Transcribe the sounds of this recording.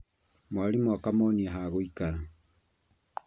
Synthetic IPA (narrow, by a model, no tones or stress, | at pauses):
mwaɾimwakamɔniaɦaɣoikaɾa